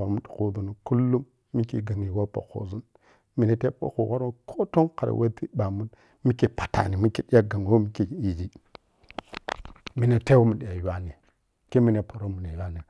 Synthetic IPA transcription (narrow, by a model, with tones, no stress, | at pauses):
o˨ɾm˦ɗu̥˨ku˦du˨nu˨ku˦lːu˦mː | i˦ki˨ɡa˨ni˨wo˦po̰˨ko̰˨zu˦n | mi˨ne˨te˦ɓo̰˦kṵ˨wo˦ɾu˦kʰo˦to˦ŋka˨ɾa̰˨wʔe˦di˦ɓa˨mu˦n | mi˦ki˨pḁ˨ta̰˨ni˨mi˦ki˨di˦a˦ɡa˨ŋ˨wo˦mi˦ki˨i˨d͡ʒi˦ | mi˨ne˨te˦wu˦mu˨di˨ja˨˦wa˦ni˨ | ki˦mi˦ne˨po˨ɾo˦mu˨ne˨˦a˦ni˨